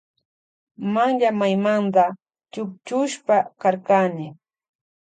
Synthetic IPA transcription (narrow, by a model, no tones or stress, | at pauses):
maŋʎamajmant̪a | t͡ʃʊkt͡ʃʊʃpakaɾkanɪ